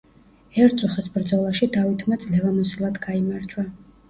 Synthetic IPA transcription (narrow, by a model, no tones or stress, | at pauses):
ɛɾt̪sʼuχɛsbɾd̪zɔlˠaʃid̪avit̪ʰmad̪z̥lɛvamɔsilˠad̪ɡaimaɾt͡ʃʰʼwa